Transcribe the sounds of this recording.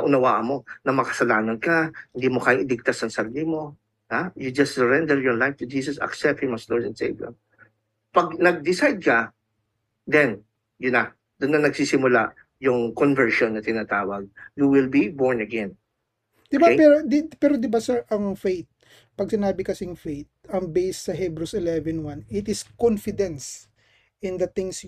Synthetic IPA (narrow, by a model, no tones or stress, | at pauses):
ɐʔʊnɐwaːʔɐmo̞nɐmɐkɐ̥sɐlaːnɐnkɐhɪnd̪iːmokaːjɪŋɪd̪ɪɡ̚t̪asɐŋsɐɾlimo̞ | hajud͡ʒɐst̪sɛɹɛnd̪ɛɹjɔɹlajft̪ʊd͡ʒiːs̬ɐsɐ̰ksɛp̚t̪himɐsloɹdɛnsḛjvɐ̰m | pɐɡ̚nɐɡ̚d̪ɪsajd̪̚kɐ | d̪ɛn | jʊnɐ | d̪̥ʊnːɐnɐɡsisɪmʊla̰ʔ | jʊŋkɔnvɛɹʃonːɐt̪ɪnaːt̪aːwɐɡ̚juwɪlbibɔɹnɐɡɛ̃n | d̪̥ɪbapɛɾod̪ɪpɛːɾod̪ɪbasɛɹʔɐŋfejt̪̚ | pɐɡ̚sɪnaːbɪkɐsɪŋfejt̪̚ɐŋbejsːɐɦɛbɾusɪlɛvɛnwanɪt̪ɪskɔnfɪd̪ɛ̃ns | ɪnd̪ɐt̪ɪ̃ŋs